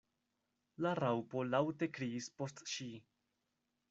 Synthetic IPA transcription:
laɾawpo̞lawte̞kɾiːspo̞stʃi

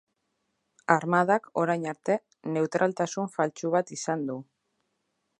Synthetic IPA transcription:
aɾmaðako̞ɾajɲaɾt̪e̞ | ne̞wt̪ɾalt̪asuɱfalt͡ʃuβat̪isand̪u

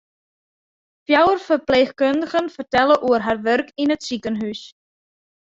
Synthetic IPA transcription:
fjaːwəɾ̥fœɾplejxkœnxənfɔɾ̥t̪ɛləʔuɾ̥ɦaɾvœɾkinɛt̪siːkənɦyːs

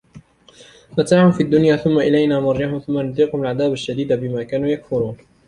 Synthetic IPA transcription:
mat̪aːʕhʊmfiːad̪ːʊnjaːθʊmːaʔɪlajnaːmɑɾˤːahʊmθʊmːanʊd̪iːqhʊmalʕaðaːbaʃːad̪iːd̪abɪmaːkaːnuːjakfʊɾuːn

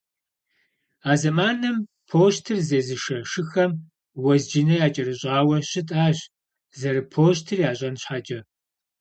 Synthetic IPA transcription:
aːzɐmaːnɐm | pʰoːɕtʰɨrzeːzɨʂɐʂɨxɐm | wɐzd͡ʒɪnɐjaːt͡ʃʼɐrɨɕʼaːwɐɕɪtʼaːʑ | zɐɾɨpʰoːɕ̬tʰɨrjaːɕʼɐnɕħat͡ʃʼɐ

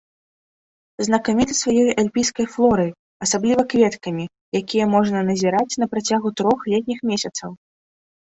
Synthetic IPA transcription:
znɐkamʲit̪ɐsvajɔjʔalʲpʲijskɐjflˠɔɾɨ | ɐsablʲivɐkvʲɛt̪kɐmʲi | jakʲijɛmɔʐnɐnɐzʲiɾat͡sʲnɐpɾat͡sʲaɣut̪ɾɔxlʲɛt̪̚ʲnʲixmʲɛsʲɐt̪sɐw

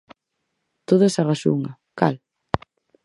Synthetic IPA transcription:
t̪oðesaraʃṵŋa | ka̰l

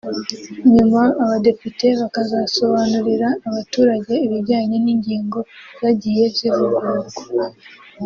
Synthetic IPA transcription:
ɲumaːβade̞pite̞βakazaso̞βanuɾiɾaːβatuːɾaɟe̞iβiɾɟaːɲe̞niːɲɟiːŋɡo̞zaɟije̞vzizuɡaːɾuɡo̥

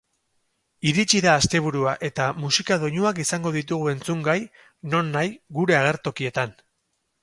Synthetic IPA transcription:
iɾit͡ʃiðaːst̪e̞β̞uɾuaʔe̞t̪amusikað̞o̞ɲuakisaŋɡo̞ðit̪uɣ̞ue̞nt͡suŋɡaj | no̞nːajɡuɾe̞aɣ̞e̞ɾt̪o̞kie̞t̪an

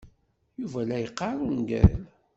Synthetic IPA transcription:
juvælæjəqːɑɾˤunɡæ̰l

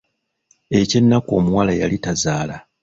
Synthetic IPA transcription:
e̞ce̞nːako̞ːmuwalaja̰litazaːla

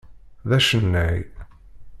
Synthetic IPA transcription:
ðæʃənːæj

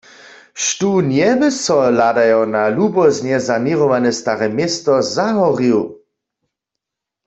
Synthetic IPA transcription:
ʃtunjɛbɪsɔladajawnalubɔznjɛzaniʁɔʋanɛst̪aʁɛmjɛst̪ɔzaɦɔʁiw

